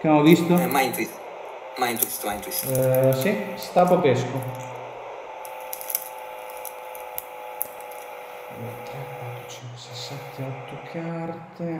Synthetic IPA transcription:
keaɔvist̪oɛmajint̪ui | majint̪uist̪omajint̪uissist̪apapesko | mɛt̪ɾɛkwat̪ːɾot͡ʃɛnt̪osesːant̪ʰeɔt̪ʰːokʰart̪e

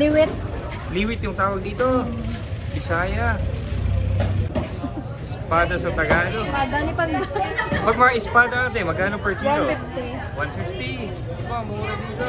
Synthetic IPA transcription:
liwɪt̪̚ | liwɪt̪jʊŋt̪aːwɐɡ̚d̪iːt̪o | bɪsaːjɐ | ʔɪspaːd̪ɐsɐt̪ɐɡaːloaːd̪ɐnɪpɐnpɐɡ̚mɐŋaɪspaːd̪ɐat̪ɛmɐɡkaːnopɛɹt̪inoɪft̪i | wanfɪft̪i | bamɐuːɾɐd̪iːt̪o

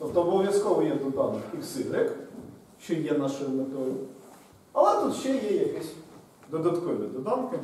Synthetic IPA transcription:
t̪ɔp̚t̪ɔɔbɔʋʲjɐskɔʋɔjɛd̪ɔd̪ɑnːɪxiwsɪlɪk | ʃt͡ʃɔjɛnɑʃʊjʊmet̪ɔjʊ | ɐlˠɛt̪ut̪ʃt͡ʃɛjɛjɐkɛsʲ | d̪ɔd̪ɐt̪kɔʋʲɪd̪ɔd̪ɑnkɪ

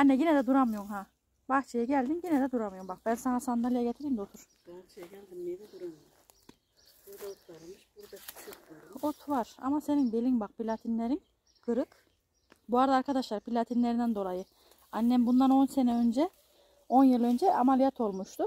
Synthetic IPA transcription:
anːɛɟinɛd̪ɛd̪uɾamɯjoɾmha | baxt͡ʃʰejaɟælʲd̪inɟinɛd̪ɛd̪uɾamɯjoumbak̚bænsanasand̪alʲˠijaɟet̪ʰiɾimd̪ɛot̪ʰuɾ̥ | t͡ʃluɾa | ot̪ʰvaɾ̥a̰mase̞ninbelʲinbak̚pʰilʲat̪ʰinlʲeɾin | kʰɯɾɯk | buaɾd̪aːɾkʰad̪aʃlˠaɾpʰilʲat̪ʰinlʲeɾind̪ænd̪o̞lˠajɯ | anʲːɛmbund̪ano̞nsenɛø̞nd͡ʒɛ | o̞njɯlˠø̞nd͡ʒɛʔamalʲijat̪ʰo̞lˠmuʃt̪ʰu

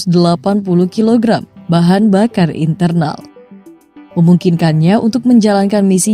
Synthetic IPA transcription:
sdəlapanpuluhkiloɡɾambaɦanbakarḭnt̪ərna̰l | məmuŋkinkanɲaʔṵnt̪ʊk̚məɲd͡ʒalankanmisi

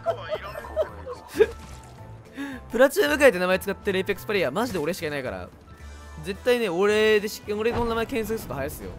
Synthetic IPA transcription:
pɯ̟ɾat͡ɕɨːmɯ̟kait̪ːe̞namaet͡sɨ̥kat̪ːeɾɯepʲekɯ̥sɨ̥paɾʲiamaʑid̪e̞o̞ɾe̞ɕi̥kainaika̰ɾa̰ | ze̞t̪ːaine̞o̞ɾe̞d̪eɕi̥oɾe̞namaekẽ̞ɰ̃s̬akɯ̟sɨ̥t̪ohajasɨjo̰

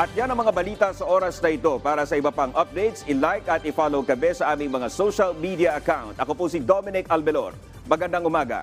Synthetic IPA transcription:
ʔɐt̪̚janɐŋmɐŋabɐliːt̪ɐsɐʔo̞ːɾɐsnɐɪt̪o̞paːɾɐsɐɪbɐpaŋʔɐp̚d̪ɛjt̪sɪlajkɐt̪̚ɪfaːlowkɐmɛsɐʔaːmɪŋmɐŋasowʃɐlmid̪iɐʔɐkawnt̪̚ʔɐkopʊsɪd̪omɪnɪkʔɐlbɛlo̰ɾ | mɐɡɐnd̪aŋʔʊmaːɡɐ̰

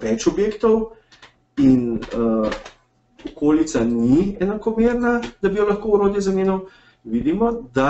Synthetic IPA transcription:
ʋɛt͡ʃɔbjeːkt̪ɔw | in | ɔkoːlit̪saniɛnakɔmeːɾnad̪abijɔlɐxkoːuɾoːd̪ilzaneːnɔ | ʋiːd̪imɔd̪a

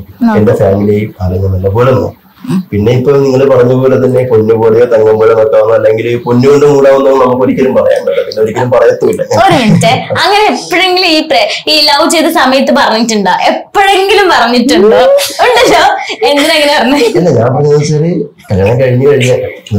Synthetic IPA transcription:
endefaːmilɐjipalɐɲːɐmɐlːɐpoːɭeno̰ː | pinːe̞ipːoːlniŋːɐɭpɐrɐɲːɐpoːlet̪ɐnːe̞ponːupoːɽejot̪ɐŋːɐmboːɭɐnokːeʋɐnːɐɐlːeŋɡilponːukoɳɖɨmuːɽaːʋonːumːnɐmːukːo̞ɾikʲːɐlumpɐrɐja̰ːɳɖɐɐpinːeoɾikʲːɐlumpɐrɐjɐt̪ːuːilːɐɲaoɾumiɳtːeɐŋːɐneepːoɻeŋɡiliːpreilːaːʋut͡ɕejt̪ːɨsɐmɐjɐt̪̬ːɨpɐrɐɲːitːuɳɖoʔepːoɻe̞ŋɡilumpɐrɐɲːitːuɳɖoːoɳɖɐlːoːend̪inɐŋːɐnepɐrɐɲːɐɐlːeɲaːnpɐrɐɲɐsɐɾikɐɾɐɳɐkɐɻiɲːɨkɐɻiɲːaɐ

